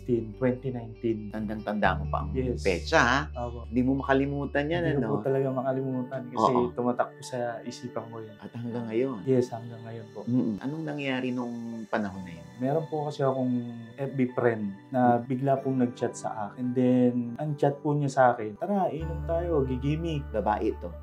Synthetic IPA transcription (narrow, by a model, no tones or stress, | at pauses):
t̪int̪wɛnt̪inajnt̪int̪ɐŋɡ̪aŋt̪ɐnd̪a̰mopɐ̰ʔɐ̰ŋjɛspɛːt͡ʃɐhaʔoːpoʔɪd̪imomɐkɐlɪmuːt̪ɐnjanɐoopʊt̪ɐlɐɡamɐkɐlɪmuːt̪ɐnkɐsɛt̪ʊmɐt̪ak̚pʊsɐʔɪsiːpɐŋkojanʔɐt̪̚hɐŋɡaŋːɐjonjɛshɐŋɡaŋːɐjo̞npo̞ʔm̩ːʔ̩ʔɐ̰noŋnɐŋjaːɾɪnoŋpɐnɐɦonːɐjanmɛːɾonpʊkɐsɛɐkoŋʔɛp̚bɪpɾɛnd̪nɐbɪɡlapʊŋnɐɡ̚t͡ʃat̪̚sɐ̰ʔaːkɪnd̪ɛnʔɐŋt͡ʃat̪̚pʊɲasɐʔaːkɛnpaːɾɐaʔiːnomt̪aːjo̞ɡɪɡimibɐbaːʔɪt̪o̞